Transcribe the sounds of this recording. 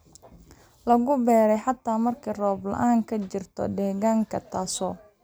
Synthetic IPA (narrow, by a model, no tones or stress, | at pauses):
lɐɣʊbɛːɾɛjħɑt̪ʰaːmɐrkʰiːrɔːblɐ̰ʔaːŋkʰɐt͡ʃɪrt̪ʰɔ̰ɖɛːɣaːŋkʰɐt̪ʰaːsɔː